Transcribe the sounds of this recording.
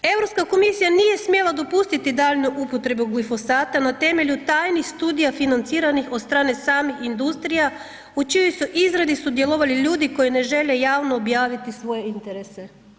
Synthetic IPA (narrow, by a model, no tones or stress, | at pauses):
e̞ʋɾo̞pskako̞misijanije̞smje̞lˠad̪o̞pust̪it̪id̪aːʎnuʔupo̞t̪ɾe̞buɡlifo̞saːt̪anat̪e̞me̞ʎut̪aːjnixst̪uːd̪ijafinant̪siːɾanixod̪st̪ɾaːne̞saːmixind̪ust̪ɾija | ut͡ʃijojsuʔizɾad̪isud̪je̞lˠoʋaliʎuːd̪iko̞jine̞ʒe̞le̞jaːʋnoːbjaːʋit̪isʋo̞je̞int̪e̞ɾese̞